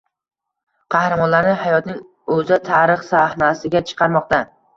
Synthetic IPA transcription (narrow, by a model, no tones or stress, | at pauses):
qʰɑhɾamɒnlaɾnɪhajɒt̪nɪŋ | ɵzɪt̪ʰaɾɨχsahnasɪɡʲat͡ʃʰɨ̥qʰɑɾmɒq̚t̪a